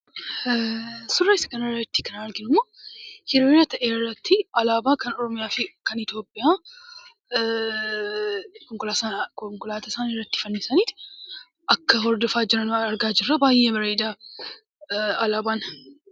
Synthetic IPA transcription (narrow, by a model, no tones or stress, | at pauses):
sʊrːɐɪsɐ̥kɐnɐɾɐɪt̪ːɪkɐnɐɾɡɪnʊmoːhɪɾoːɐt̪ɐʔeːrːɐt̪ːɪɐlaːbaːkɐnɔɾɔmɪjaːfɪkɐnɪt̪jo̞ːpʼːɪjaː | kɔŋkʊlaskɔŋkʊlaːt̪ɐsaːnɪrːɐt̪ːɪ̥fɐnːɪsɐniːt̪ | ʔɐkːɐhɔɾd̪ɔfaːd͡ʒɪɾɐnɐɾɡaːd͡ʒɪrːɐbaːjːebɐɾeːd̪aː | ɐlaːbaːn